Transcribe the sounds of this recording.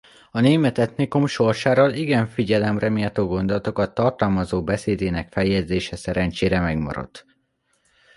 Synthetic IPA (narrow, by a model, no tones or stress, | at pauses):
ɒneːmɛt̪ɛt̪nikumʃo̞rʃaːɾoːliɡɛɱfiɟɛlɛmrɛmijɛt̪oːɡo̞nd̪o̞lɒt̪o̞kɒt̪ːɒrt̪ɒlmɒzoːbɛseːd̪eːnɛkfɛjɛd̪zeːʃɛsɛɾɛnt͡ʃeːɾɛmɛɡmɒ̰ɾo̞̰t̪ː